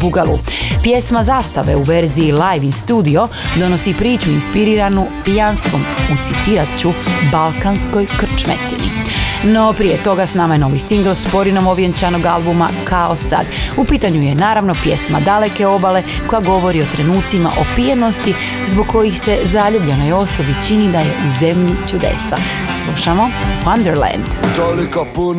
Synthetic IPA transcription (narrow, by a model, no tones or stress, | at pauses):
buɡalṵpje̞smazaːst̪aʋe̞̰uʋeɾziːlajʋinst̪uːd̪io̞ | d̪o̞no̞sipɾiːt͡ɕuinspiɾiːɾanupijanst̪ʋo̞mut̪sit̪iɾat̪t͡ɕubalˠkansko̞jkr̩t͡ʃmḛt̪inḭno̞pɾijet̪o̞ɡasnamaje̞no̞ʋisiŋɡl̩ˠspo̞ɾino̞mo̞ʋjent͡ɕano̞ɡalˠbuma̰kʰaosa̰d̪upiːt̪aɲuje̞naːɾaʋnopje̞sma̰d̪ale̞ke̞o̞bale̞ | ko̞jaɡo̞ʋo̞ɾio̞t̪ɾe̞nuːt̪sima̰ʔo̞pijeno̞st̪i | zboɡ̚ko̞jixse̞zaʎubʎeno̞jo̞sobit͡ʃinid̪ajeʔuzemʎit͡ʃud̪ḛsa̰ | slˠuʃamo̞wand̪eɾlɛ̰nd̪̥t̪olikopu